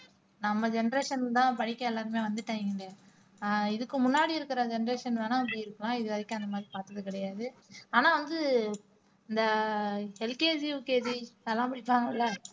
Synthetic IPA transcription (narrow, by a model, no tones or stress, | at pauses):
nɐmːɐd͡ʒɛnɐɾeːʂɐnt̪ãːpɐɳɪkːɐ̃ɛlːaːɾɯmeːʋɐnd̪ɯʈːɐːŋɡɪɳɖeː | ɪðɯkːɯmʊnːaːɽiɪɾɯkːɪɾɐd͡ʒɛnɐɾeːʂɐnʋaːnãːɐpɐɽiɪɾɯkːɐlãːɪðɯʋɐðɐkːʊ̃ɐnd̪ɐmaːd̪ɾipaːɾt̪ːɐðɯkɪɽɐjaːðɯaːnaːʋɐnd̪ɯ | ɪnd̪ɐ | ɛlkeːd͡ʒiʊkeːd͡ʒiɐlːãːmɐɽɪpːaːŋɡɐlːaː